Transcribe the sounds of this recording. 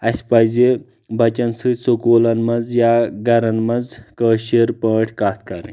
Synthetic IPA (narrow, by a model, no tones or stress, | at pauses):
ɐsʲpɐjze | bɐt͡ʃɐnsɨsokoːlɐnmɐd͡zjaɡɐɾɐnmɐnd͡zkəːʃeɾpəːʈʰkaːt̪ʰkɐɾḭ̃